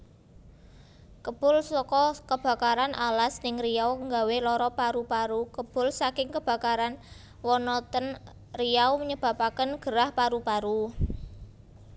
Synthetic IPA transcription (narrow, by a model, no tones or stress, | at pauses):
kəb̥ʊ̤lsɔkɔkəb̥ä̤kaɾanʔalasnɪŋrijawŋɡa̤welɔɾɔpaɾupaɾukəb̥ʊ̤lsakɪŋkəb̥ä̤kaɾan | wɔnɔt̪ən | rijawməɲəb̥ä̤pakənɡ̥əɾahpaɾupaɾu